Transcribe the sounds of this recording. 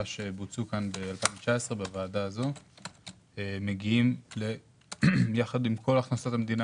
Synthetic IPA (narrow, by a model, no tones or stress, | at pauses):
aʃe̞but͡sukanbe̞alpainvet͡ʃae̞sʁe̞bavaːdaːzo̞ | eme̞ɡiimle̞ | jaχadimkʰo̞laχnasatamed̪ina